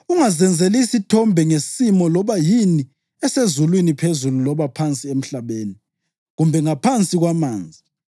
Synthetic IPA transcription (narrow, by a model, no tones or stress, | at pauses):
uŋazɛnd͡zʱelisitʰɔmbʱɛŋesimɔlɔβajini | ɛsezulwinipʰezululɔβapʰant͡sʼiem̩ɬaβeːni | ɣumbʱɛŋapʰant͡sʼiɣwamaːnd͡zʱi